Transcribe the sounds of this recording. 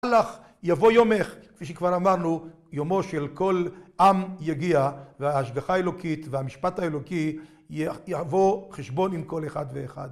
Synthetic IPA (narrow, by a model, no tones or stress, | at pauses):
laχ | javo̞jomeχkfiʃekvaʁamaʁnu | jomo̞ʃelko̞lʔamjaɡiaveaːʃɡaχaelo̞kit̪veamiʃpataelo̞ki | javo̞χeʃbo̞nimko̞leχad̪veːχa̰d̪